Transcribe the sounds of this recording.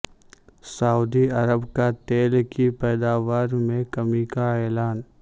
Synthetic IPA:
sauːd̪iɐɾəbkat̪eːlkipɛːd̪aːʋaːɾmẽkɐmikaɛːlaːn

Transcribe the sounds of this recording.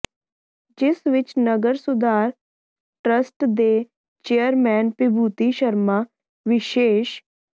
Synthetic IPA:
d͡ʒɪsʋɪt͡ʃnəɡəɾsʊd̪aːɾ | ʈɾəsʈd̪eː | t͡ʃeːəɾmɛːnpɪbʱuːt̪iːʃəɾmaː | ʋɪʃeːʃ

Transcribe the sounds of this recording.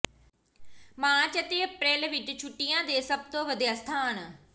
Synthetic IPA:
mãːt͡ʃət̪eːəpɾeːlʋɪt͡ʃt͡ʃʰʊʈːɪjãːd̪eːsəb̚t̪õːʋəd̪ijaːst̪ʰaːn

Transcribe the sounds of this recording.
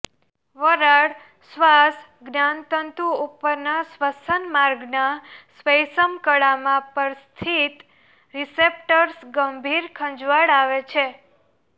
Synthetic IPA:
ʋəɾaɽ | sʋas | ɡnant̪ənt̪uupːəɾnasʋəsənmaɾɡnasʋəjsəmkəɽamãpəɾst̪ʰit̪ | ɾisep̚ʈəɾsɡəmbʱiɾkʰə̃ɲd͡ʒʋaɽaʋet͡ʃʰe

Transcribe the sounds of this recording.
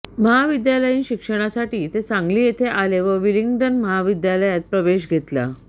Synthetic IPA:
məɦaʋid̪jaləjinɕikʂəɽ̃asaʈiːt̪et͡sãŋɡliːjet̪ʰeʔaleʋəʋiliŋɡɖənməɦaʋid̪jaləjat̪̚pɾəʋeɕɡʱet̪la̰

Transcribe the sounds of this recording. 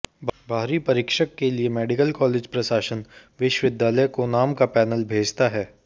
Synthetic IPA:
bbʱaːɾipɐɾɪkʃəkːeliemɛːɖɪkəlkɔːleːd͡ʒpɾɐʃaːʃənʋɪʃʋɪd̪jaːləjkonaːmkapɛːnəlbʱeːd͡ʒt̪aɦɛː

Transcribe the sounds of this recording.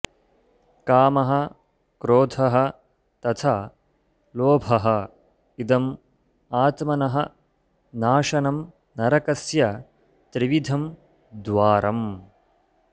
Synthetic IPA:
kaːmɐɦɐ̆ | kɾoːt̪ʰɐɦɐ̆ | t̪ɐt̪ʰa | loːbʱɐɦɐ̆ | id̪ɐm | aːt̪mɐnɐɦɐ | naːʃɐnɐm | nɐɾɐkɐsjɐ | t̪ɾiʋid̪ʱɐm | d̪ʋaːɾʔɐm

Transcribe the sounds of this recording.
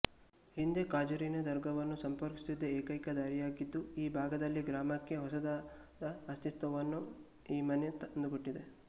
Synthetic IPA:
hind̪ekaːd͡ʒuɾinɐd̪ɐɾɡʱɐʋɐnːusɐmpɐɾkisid̪ːɐeːkɐjkɐd̪aːɾijaːɡid̪ːuiːbʱaːɡɐd̪ɐlːiɡɾaːmɐkːe̞ɦɔsɐd̪aː | d̪ɐːst̪it̪ʋɐʋɐnːu | iːmɐnet̪ɐnd̪uɡoʈːid̪e̞

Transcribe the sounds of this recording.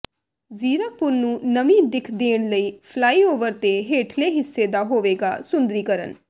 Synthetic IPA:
ziːɾək̚pʊɾnũːnəmĩːd̪ɪkʰd̪eːɳləiːpʰlaːiːoːʋəɾt̪eːɦeːʈʰleːɦɪsːeːd̪aːɦoːʋeːɡa̰ːsʊnd̪ɾiːkəɾə̰n

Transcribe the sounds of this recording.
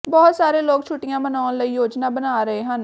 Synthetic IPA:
bɔːt̪saːɾeːloːɡ̚t͡ʃʰʊʈːɪjãːmənaːnləiːjoːd͡ʒnaːbənaːɾəeːɦən

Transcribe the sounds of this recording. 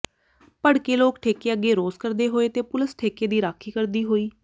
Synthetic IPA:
pəɽkeːloːkʈʰeːkeːəɡeːɾoːskəɾd̪eːɦoːeːt̪eːpʊləsʈʰeːkeːd̪iːɾaːkʰiːkəɾd̪iːɦoːiː

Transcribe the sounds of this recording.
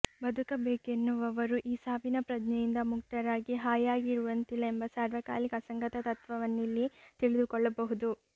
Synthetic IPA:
bɐd̪ʱukɐbeːke̞nːuʋɐʋɐɾuʔiːsaːʋinɐpɾɐd͡ʒnɛjind̪ɐmuk̚ʈ̪ɐɾaːɡiɦaːjaːɡiɾuʋɐnt̪ilːɐe̞mbɐsaːɾʋɐka̰ːlikɐsɐŋɡɐt̪ɐt̪ɐt̪ʋɐʋɐnːilːit̪iɭid̪ukɔɭːɐbɐɦud̪u

